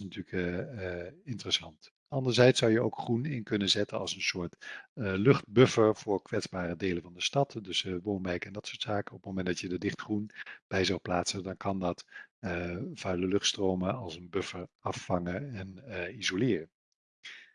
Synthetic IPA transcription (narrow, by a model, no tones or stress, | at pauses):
nətyːlək | ɪntərəsɑnt | ɑndəɹzɛjtsɑwjəo̰wkχrunɪnkɵnənzɛtənɑ̰lˠsənsʊːɹtlɵχt̚bɵfəɹvʊːɹkʋɛtzbaːrədejləvɑndəstɑtdɵsəʋownbɛjkɛndɑtsʊːɹtsaːkənɔpəmowmɛndɑtjədədɪχtχrunb̥ɛjzɑwplaːtsəndɑnkɑndɑtəfœɥləlɵχtstrowməɑlˠsənbøfəɹɑfɑŋəɛnizolɪːrən